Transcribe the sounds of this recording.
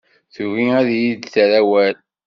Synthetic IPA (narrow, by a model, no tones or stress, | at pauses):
θuviæðjid̪θɾæwæl